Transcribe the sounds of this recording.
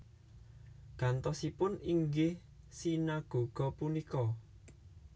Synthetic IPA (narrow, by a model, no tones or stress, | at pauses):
ɡ̥a̤nt̪ɔsipʊniŋɡeh | sinaɡ̥o̤ɡ̥ɔ̤punikɔ